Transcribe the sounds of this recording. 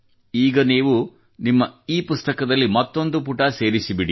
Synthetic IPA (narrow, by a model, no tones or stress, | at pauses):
iːɡɐniːʋu | nimːɐiːpust̪ɐkɐd̪ɐlːimɐt̪ːo̞nd̪upuʈɐse̞ːɾisibiɽi